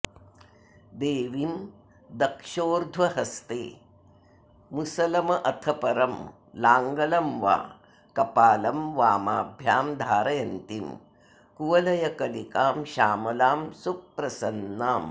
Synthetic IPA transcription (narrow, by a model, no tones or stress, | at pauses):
d̪eːʋim | d̪ɐkʃoːɾd̪ʱʋɐhɐst̪ḛː | musɐlɐmɐʔɐt̪ʰɐpɐɾɐm | laːŋɡɐlɐmʋa̰ː | kɐpaːlɐmʋaːmaːbʱjaːmd̪ʱaːɾɐjɐnt̪im | kuʋɐlɐjɐkɐlikaːmʃaːmɐlaːmsuk̚pːɾɐsɐnːaːm